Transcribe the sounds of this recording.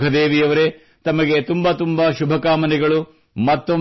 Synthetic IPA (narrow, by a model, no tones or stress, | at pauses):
ɡʱɐd̪eːʋijɐʋɐɾe | t̪ɐmɐɡe̞t̪umbɐt̪umbɐʃubʱɐkaːmɐnɛɡɐɭu | mɐt̪ːo